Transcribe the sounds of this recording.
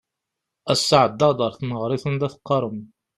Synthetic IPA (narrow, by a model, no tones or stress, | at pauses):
æsːaʕd̪ːɑd̪ˤəɾˤθnəʁɾɪθˤənd̪æθqːɑɾˤəm